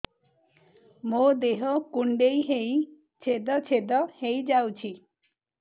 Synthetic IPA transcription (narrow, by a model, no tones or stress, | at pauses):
mod̪eɦɔkuɳɖejɦej | t͡ʃʰed̪ɔt͡ʃʰed̪ɔhejd͡ʒawt͡ʃʰi